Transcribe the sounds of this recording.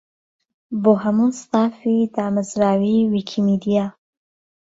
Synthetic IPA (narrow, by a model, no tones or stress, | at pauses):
boɦamunst̪aːfid̪aːməzɾaːwiwikʰimid̪ija